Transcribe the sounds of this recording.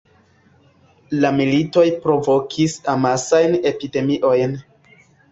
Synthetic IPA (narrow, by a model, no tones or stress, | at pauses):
lamilito̞jpɾo̞vo̞kʰisamasajne̞pide̞miʔo̞jn